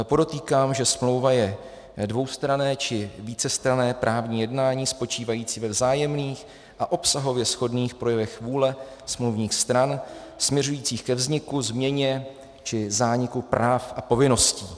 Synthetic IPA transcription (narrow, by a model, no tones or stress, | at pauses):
po̞do̞t̪iːkaːmʒɛsmlo̞wvajɛ | dvo̞wst̪ɾanɛːt͡ʃɪviːt͡sɛst̪ɾanɛːpɾʔaːvɲiːjɛdnaːɲiːspo̞t͡ʃiːvajiːt͡siːvɛvzaːjɛmniːx | ʔaʔo̞psaɦo̞vjɛsxo̞dniːxpɾo̞jɛvɛxvuːlɛ | smluwvɲiːxst̪ɾan | smɲɛɾujiːt͡siːxkɛvzɲɪkuzmɲɛɲɛ | t͡ʃɪzaːɲɪkupɾʔaːfʔapo̞vɪno̞sciː